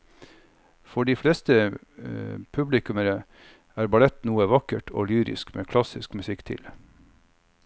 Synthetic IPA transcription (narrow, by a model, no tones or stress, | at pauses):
fɔɖiːflɛst̪ə | pʰʉblɪkʉməɾə | æːɾbɑlɛt̪nuːəʋɑkəʈʰo̰ːlyːɾɪ̰skmʔḛːkʰlɑsɪskmʉsɪkt̪ʰɪ̰l